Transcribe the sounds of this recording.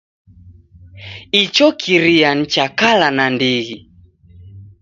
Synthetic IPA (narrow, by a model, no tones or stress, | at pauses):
it͡ʃɔkʰiɾian̩t͡ʃakalanandiɣi